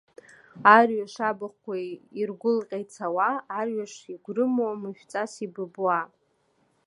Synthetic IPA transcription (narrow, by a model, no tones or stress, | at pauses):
arɥaʂabɨχʷkʷʰːairɡʷʊlqʲʼajt͡sʰawaːrɥaʂiɡʷrɨmomɨʃᶣt͡sʼasibɨbua